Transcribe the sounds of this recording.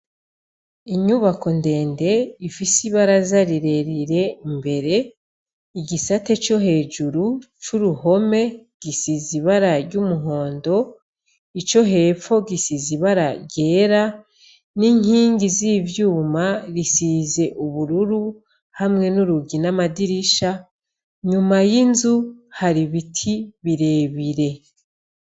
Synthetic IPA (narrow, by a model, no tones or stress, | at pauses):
iɲuβako̞nde̞ːnde̞ifisiβaɾazaɾiɾe̞ɾiɾe̞mbe̞ɾe̞ | iɟisatet͡ʃo̞ɦe̞ːd͡ʒuɾu | t͡ʃuɾuho̞me̞ɡ̥isiziβaɾaɾɟumuɦo̞ːndo̞ | it͡ʃo̞ɦe̞ːfo̞ɡisiziβaɾaɟe̞ːɾa | niŋhiːŋɡizivjuːmaɾisiːze̞ʔuβuɾuɾu | hamŋe̞nuɾuɡinamadiɾiʃa | ɲumajinzuhaɾiβitʰiβiɾe̞ːβiɾe̞